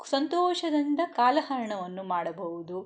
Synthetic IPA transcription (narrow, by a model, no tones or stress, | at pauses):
sɐnt̪oːʃɐd̪ɐnd̪ɐkaːlɐɦɐɾɐɳɐʋɐnːumaːɽɐbɐɦud̪u